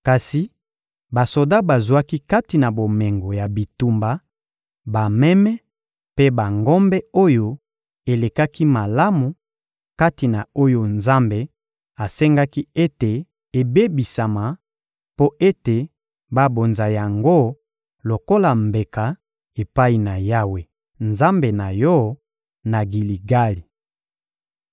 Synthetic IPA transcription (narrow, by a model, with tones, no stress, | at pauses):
ka˨si˨ | ba˨so˨da˦ba˨zwa˦ki˦ka˦ti˨na˨bo˨me˨ŋɡo˨ja˨bi˨tu˨mba˨ | ba˨mɛ˦mɛ˦ | pe˦ba˨ŋɡo˦mbɛ˦o˦jo˦ | e˨le˨ka˦ki˦ma˨la˦mu˨ | ka˦ti˨na˨o˦jo˦nza˦mbe˦ | a˨sɛ˦ŋɡa˦ki˦e˦te˨ | e˨be˦bi˨sa˨ma˨ | po˦ʔe˦te˨ | ba˦bo˨nza˨ja˨ŋɡo˦ | lo˨ko˦la˨mbe˨ka˨ | e˨pa˦i˨na˨ja˦we˨ | nza˦mbe˨na˨jɔ˦ | na˨ɡi˨li˨ɡa˦li˨